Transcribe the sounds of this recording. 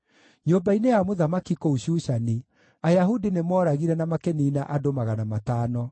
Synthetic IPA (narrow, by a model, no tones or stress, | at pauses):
ɲombainejamoðamakikouɕuʃani | ajaɦudinemɔːɾaɣiɾɛnamakeniːnaʔadomaɣanamataːnɔ